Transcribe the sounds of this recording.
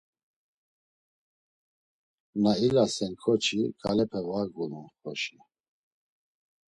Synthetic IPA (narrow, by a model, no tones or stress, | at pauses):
nailasɛnkʰɔt͡ʃʰikʰʼalɛpʰɛvaɡulunχɔʃi